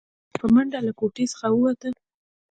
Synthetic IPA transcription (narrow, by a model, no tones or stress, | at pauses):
pəmaɳɖalakoʈesə̥xawəwat̪ə